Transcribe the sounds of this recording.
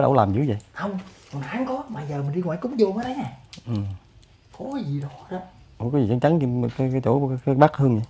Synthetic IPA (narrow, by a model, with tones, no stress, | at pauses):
ɗə̰˧˩˦wlaː˨˩mzɨ̰˧˦və̰˨jxə˧wŋ͡mkɔ˨˩nxaː˨˦ŋkɔ˨˦ɓaː˨˩jzəː˨˩mɨ˨˩nɗi˧ŋwa̰ː˧˨jkʊ˨˦ŋ͡mzo˧məː˨˦ɗə˨˦naː˨˩ʔɨ˨˩m | kɔ˨˦kɔ˨˦zi˨˩ɗɔ˨˦ɗa˨˦ | ɔ˨˧˦kɔ˨˦zi˨˩t͡ɕa˨˦nt͡ɕa˨˦ŋ˧˨˩kːkːjt͡ɕo˧˩˦kːɓaː˦˥k̚hɨ˧əŋɲa˨˦